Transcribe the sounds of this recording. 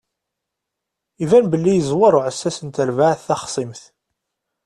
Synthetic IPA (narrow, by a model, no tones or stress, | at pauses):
ivænbəlːijəzˤwɑɾˤʊʕəsːæsənt̪əɾvaʕθæχsˤimθ